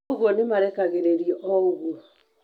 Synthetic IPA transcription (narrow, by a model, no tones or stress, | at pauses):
ɣwɔnemaɾɛkaɣeɾeɾiʔɔoɣuɔ